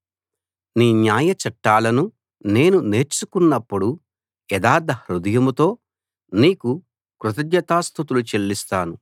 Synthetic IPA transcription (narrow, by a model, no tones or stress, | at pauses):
niːnjaːjɐt͡ʃɐʈːaːlɐnu | ne̞ːnune̞ːɾt͡ʃukunːɐpːuɽu | ɛd̪aːɾd̪ʱɐhɾud̪ɐjɐmut̪o̞ː | niːku | kɾut̪ɐd̪jɐt̪aːst̪ʰut̪̬ulut͡ʃelːist̪aːnu